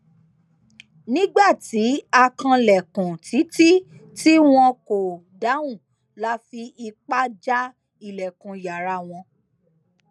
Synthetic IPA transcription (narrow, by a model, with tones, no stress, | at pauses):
nĩ˦ɡ͡ba˦˨ti˨˦a˧kã˧lɛ˨kũ˨tʰi˨˦ti˦ti˦w̃ɔ̃˧ko˨ | da˨˦wũ˦˨ | la˨˦fi˧i˧k͡pa˦d͡ʒa˦ | i˨lɛ˨kũ˨ja˨ɾa˧˨w̃ɔ̃˧